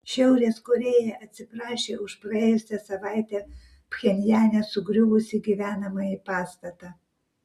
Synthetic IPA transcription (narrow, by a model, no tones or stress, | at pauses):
ʃʲɛʊɾʲeːskɔɾʲeːjɛʔɐt̪ʲsʲɪpɾɑːʃʲeːʊʃpɾɐeːjʊsʲɛsɐʋɑˑɪt̪ʲɛ | pʲxʲɛnʲjæːnʲɛsʊɡɾʲʊʋʊsʲɪɡʲiʋʲæːnɐmɐjipɑːst̪ɐt̪ɑ